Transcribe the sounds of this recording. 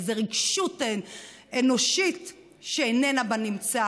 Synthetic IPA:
zeʁiɡʃut | eno̞ʃit | ʃeenenabanimt͡sa

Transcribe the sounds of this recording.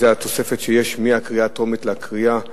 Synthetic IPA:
zeat̪o̞se̞fe̞t̪ʃejeʃmiakʁiaːt̪o̞mit̪leakʁia

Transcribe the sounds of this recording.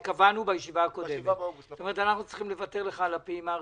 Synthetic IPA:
kavanubajeʃivaakodemetsstome̞ʁetanaχnut͡sliχimle̞vate̞ʁleχaːlapima

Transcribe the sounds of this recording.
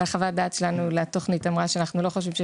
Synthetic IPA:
aχavadaːt̪ʃelanulato̞χnitamʁaʃeanaχnulo̞χoʃ̬vimʃe

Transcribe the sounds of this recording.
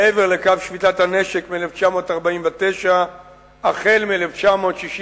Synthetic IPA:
eve̞ʁlekavʃvit̪athane̞ʃekmieleft͡ʃamo̞ːtaʁbaimveteʃa | aχe̞lmieleft͡ʃamo̞t̪ʃiʃ

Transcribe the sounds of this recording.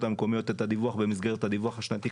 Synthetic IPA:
t̪hameko̞mijo̞t̪et̪ad̪ivuaχbe̞misɡe̞ʁetad̪ivuaχaʃnat̪i

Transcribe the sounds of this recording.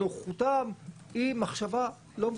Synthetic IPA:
oχχut̪am | imaχʃava | lom

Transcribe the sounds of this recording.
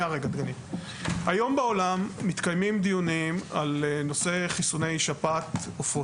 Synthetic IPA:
aʁeɡad̪ɡani | hajo̞mbao̞lamːit̪kajmimd̪ijunimalno̞se̞χisune̞jʃapat̪ufo

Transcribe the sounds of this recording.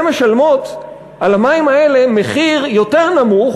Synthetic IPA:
meʃalmo̞t̪ | ʔalamaimae̞le̞meχiʁjo̞te̞ʁnamuχ

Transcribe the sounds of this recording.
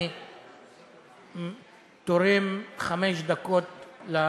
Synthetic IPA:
t̪oɾimχameʃd̪ako̞t̪la

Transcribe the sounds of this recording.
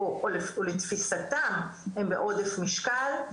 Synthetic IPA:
oʔolefolet̪fisat̪amhembḛʔo̞d̪efmiʃkal

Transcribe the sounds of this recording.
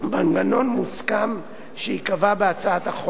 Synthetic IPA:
baŋɡano̞nmuskam | ʃeikavabeat͡saat̪aχo

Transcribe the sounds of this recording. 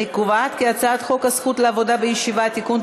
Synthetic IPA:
ikuvat̪kiat͡saːt̪χokasχut̪laavod̪abejeʃivat̪ikun

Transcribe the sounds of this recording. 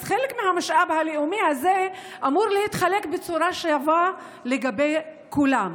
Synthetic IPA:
χelekmehamaʃʔabhaleumihaze | ʔamuʁlehit̪χale̞kbet͡suɾaʃejava | leɡabe̞j | kulam

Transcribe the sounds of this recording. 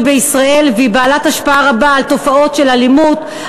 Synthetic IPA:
beisʁaʔe̞lvibaːlathaʃpaaʁabaːlto̞fao̞tʃe̞lalimut

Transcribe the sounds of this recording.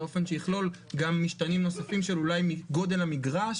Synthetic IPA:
o̞fe̞nʃejiχlo̞l | ɡamːiʃtanimno̞safimʃelulajmiɡo̞d̪e̞lamiɡʁaʃ

